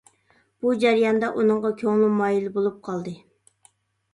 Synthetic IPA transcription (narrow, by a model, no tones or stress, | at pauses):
b̥ud͡ʒæɾjɑnd̪ɑʔunɨŋʁɑkʲʰøŋlˠumɑːjilɪbolˠup̚qʰɑlˠd̪ɨ